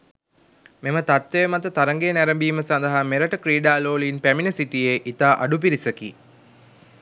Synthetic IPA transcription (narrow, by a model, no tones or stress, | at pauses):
memət̪at̪ʋejmat̪ət̪aɾəŋɡeːnæɾəmbiːməsand̪əɦameɾəʈəkɾiːɖaːloːlinpæminəsiʈijeʔit̪aːʔaɖup̬iɾisəki